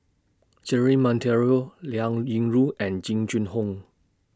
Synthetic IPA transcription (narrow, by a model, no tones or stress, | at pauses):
d͡ʒɛɹimɔ̃ntʰɛɹioljaŋjiŋɹuʔɛ̃nd͡ʒĩŋt͡ʃĩnhõŋ